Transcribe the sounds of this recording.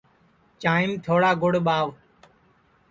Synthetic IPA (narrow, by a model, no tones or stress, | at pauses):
t͡ʃaːɪmt̪ʰoːɽaːɡʊɽɓaːʋ